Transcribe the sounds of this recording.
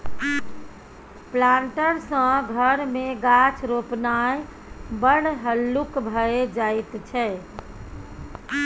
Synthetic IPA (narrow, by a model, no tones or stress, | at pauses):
plaɳʈəɾsə̃ɡʱəɾmeɡat͡ʃʰɾopnaj | bəɽ̤ɦəlːukbʱəed͡ʒajt̪t͡ʃʰɛ